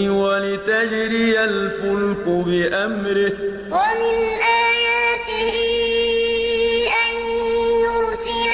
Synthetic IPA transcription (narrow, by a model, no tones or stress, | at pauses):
walɪt̪ad͡ʒɾialfʊlkʊbɪʔamɾɪh | wamɪnʔaːjaːt̪ɪhiː | ʔanːnʊɾsɪ